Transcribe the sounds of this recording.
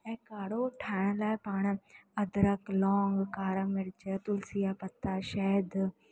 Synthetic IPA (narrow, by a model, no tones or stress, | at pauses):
ɛːkaːɽoːʈʰaːɳlaːpaːɳəd̪ɾəklɔːŋɡkaːɾãːmɪɾd͡ʒat̪ʊlsɪjaːpət̪ːaːʃɛːd̪